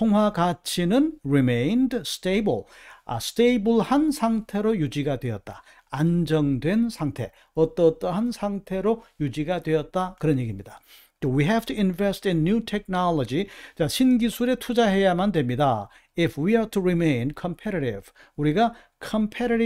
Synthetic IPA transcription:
tʰoŋɦwaɡat͡ɕʰinɯnɹimẽjndstebɯɭa̰stebɯɭhansʰaŋtʰe̞ɾojud͡ʑiɡadwe̞ʌt̚t͈a | and͡ʑʌŋdwe̞nsʰaŋtʰe̞ | ʌt͈ʌt͈ʌɦansʰaŋtʰe̞ɾojud͡ʑiɡadwe̞ʌt̚t͈akɯɾʌnje̞ɡimɲid̥a | towiɦɛftʰuinvestinːutʰek̚naɭʌd͡ʑit͡ɕaɕʰinɡisʰuɾe̞tʰud͡ʑaɦe̞jamandwe̞mɲida | ifwiatʰuɾimẽj̃nkʰʌmpʰeɾaɾiv̥ | uɾiɡa | kʰʌmpʰeɾaɾi

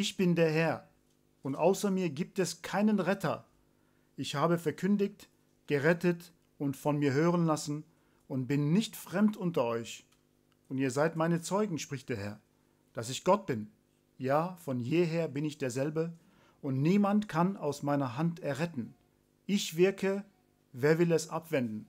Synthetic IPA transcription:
ʔɪçb̥ɪndeːɐɦɛɐ | ʊntʔaʊsɐmiːɐɡiːp̚tɛskʰaɪnənʁɛtʰɐ̰ | ʔɪçhaːbəfɛɐkʰʏndɪkt | ɡ̥əʁɛtət | ʊntfɔnmiːɐɦøːʁ̞ənlasn̩ | ʔʊnt̚b̥ɪnːɪçtfʁ̥ɛmtʔʊntɐʔɔʏç | ʔʊntiːɐzaɪtmaɪnət͡sɔʏɡŋ̩ʃpʁ̥ɪçtd̥eːɐɦɛɐ | d̥asɪçɡ̥ɔt̚b̥ɪn | jaːfɔnjeːɦeːɐbɪnɪçd̥eːɐzɛlbə | ʔʊntniːmantkʰanaʊsmaɪnɐɦantɛɐʁɛtn̩ | ʔɪçv̥ɪɐkʰə | veːɐvɪlɛsʔapv̥ɛndn̩

